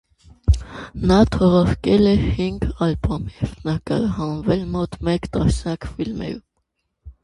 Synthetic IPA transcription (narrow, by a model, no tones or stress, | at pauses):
nɑt̪ʰɔʁɑɾkɛlɛhiŋɡɑlbɔmjɛɾt̪nɑkɑɾɑɦɑnvɛlmɔt̪mɛkt̪ɑsnjɑkfilmɛ̰ɾum